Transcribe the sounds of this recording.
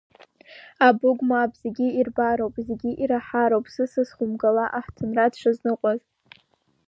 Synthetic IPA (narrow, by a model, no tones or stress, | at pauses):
abʊɡʷʼmaːbʼz̥eɡʲiirbaɾowpʼzeɡʲiʔiɾaħaɾowpʼsɨsɨsχʊmɡalaʔaħtʰɨnradʂʰaznɨqʷʼaz